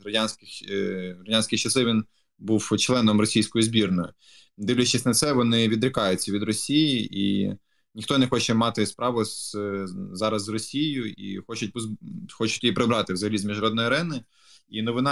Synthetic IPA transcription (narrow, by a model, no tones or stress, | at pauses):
ɾɐdʲanʲsʲkɪxɾɐdʲanʲsʲkʲɪxt͡ʃɐsˠɪʋʲin | buwt͡ʃlˠɛnɔmrɔsʲijsʲkɔjʊzbʲirnɔjʊ | d̪ɪʋlʲɛt͡ʃɪsʲnɐt̪sɛʋɔnɪʋʲid̪ɾɪkɑjʊt͡sʲːɐʋʲid̪rɔsʲijiḭ | nʲixt̪ɔnɛxɔt͡ʃɛmɑt̪ɪspɾɑʋʊz | zɑɾɐzrɔsʲijʊḭxɔt͡ʃʊt̚ʲpɔxɔt͡ʃʊtʲjijipɾɪbɾɑt̪ɪwzɐɦɐlʲizmʲiʒnɐɾɔd̪nɔjiɐɾɛnɪ | inɔʋɪnɑ